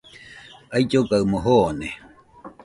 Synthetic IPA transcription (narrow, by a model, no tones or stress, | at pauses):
ajt͡ʃokaɨmoɦone